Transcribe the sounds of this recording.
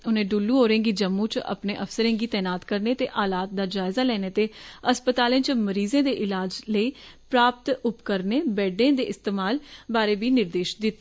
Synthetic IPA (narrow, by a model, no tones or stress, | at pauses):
ʊnẽːɖuːlːũːɦoːɾẽːɡiːd͡ʒəmːũːt͡ʃə̰pnẽːʔəfsəɾẽːɡiːt̪ɛːnaːt̪kəɾneːt̪eːʔaːlaːt̪̚d̪aːd͡ʒaːɪzaːlɛːneːt̪eːəspət̪aːlẽːt͡ʃməɾiːzẽːd̪eːʔɪlaːd͡ʒləiːpɾaːpt̪ʊpkəɾneːbɛːɖẽːd̪eːɪst̪eːmaːlbaːɾeːbiːnɪɾd̪eːʃd̪ɪt̪ː